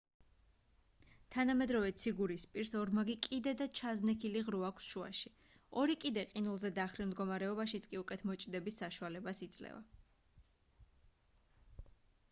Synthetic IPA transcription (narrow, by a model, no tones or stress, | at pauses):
t̪ʰanamɛd̪ɾɔvɛt̪sʰiɡuɾispʼiɾsɔɾmaɡikʼid̪ɛd̪at͡ʃʰaznɛkʰiliʁɾuakʷʰsʃua̰ʃi | ɔɾikʼid̪ɛqʼinulˠzɛd̪aχɾimd̪ɡɔmaɾɛɔbaʃit̪sʰkʼiukʼɛt̪ʰmɔt͡ʃʼd̪ɛbisːaʃualɛbasit̪sʼlɛ̰va̰